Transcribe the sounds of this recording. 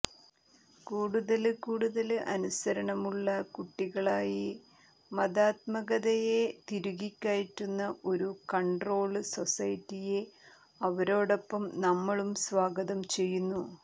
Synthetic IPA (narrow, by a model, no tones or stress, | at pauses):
kuːɽuðɐlkuːɽuðɐlʔɐ̰nusɐɾɐɳɐmuɭːɐkuʈːiɣɐɭaːji | mɐdaːt̪̚mɐɣɐðɐje̞t̪iɾuɣikʲːaːjiʈːunːɐʔo̞ɾukɐɳɖro̞ːɭɨso̞sɐjtːije̞ | ɐʋɐɾo̞ːɽo̞pːɐmnɐmːɐɭumsʋaːɡɐðɐmt͡ɕe̞jːunːu